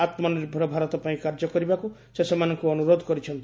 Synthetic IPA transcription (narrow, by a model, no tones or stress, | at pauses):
at̪mɔniɾbʱɾɔbʱaɾɔt̪ɔpaĩkaɾd͡ʒɔkɔɾibaku | sesemanɔŋkuɔnuɾod̪ʱɔkɔɾit͡ʃʰɔnt̪i